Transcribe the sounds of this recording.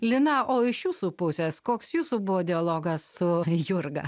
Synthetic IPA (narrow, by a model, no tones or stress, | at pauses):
lʲɪnɐʔoːɪʃjuːsuːpʊsʲeskoːksjuːsuːbʊʋoːd̪ʲɪɐlˠoːɡɐsːʊjʊɾɡɐ̰